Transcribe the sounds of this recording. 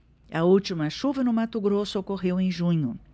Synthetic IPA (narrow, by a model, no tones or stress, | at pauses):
ɐuwt͡ʃimɐʃuvɐnʊmat̪ʊɡɾosʊokoɦewẽj̃ʒũɲʊ